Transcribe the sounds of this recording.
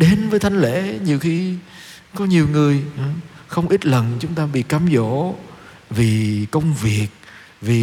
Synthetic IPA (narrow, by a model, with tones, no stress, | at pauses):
ɗe˨˦nvəː˨˦jt̪ʰa˧jŋ̟lḛ˧˨ɲi˨˩əwxi˧ | kɔ˨˦ɲi˨˩əwŋɨ˨˩əjxə˧wŋ͡mʔi˦˥t̚lə˨˩nt͡ɕʊ˨˦ŋ͡mt̪aː˧ɓḭ˧˨kaː˨˦mzo̰˧˥˨ | vi˨˩kə˧wŋ͡mvi˨˩ək̚ | vi˨˩